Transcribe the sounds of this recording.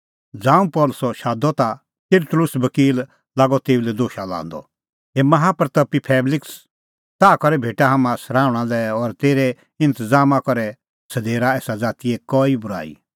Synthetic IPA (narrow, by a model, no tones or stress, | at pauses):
d͡zãːũpɔːlʊsɔʃaːd̪ɔt̪a | t̪ɪɾt̪ʊlʊsbɐkiːl | laːɡɔt̪eːulɛd̪oːʃala̰ːnd̪ɔ̰ | ɦemɐɦaːpəɾt̪ɐpːipʰɛːblɪks | t̪aːkɔɾɛbʱeːʈaɦamãsɐɾaːʊɽ̃alɛɔɾt̪eːɾe | ɪ̃nt̪əd͡zaːmakɔɾɛ | sɐd̪eːɾaɛːsad͡zaːt̪ijekɔːibʊɾa̰ːḭ